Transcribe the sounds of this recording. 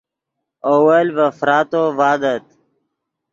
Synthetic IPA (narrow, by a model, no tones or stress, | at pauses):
owəlvəfɾaːt̪ovaːd̪ət̪̚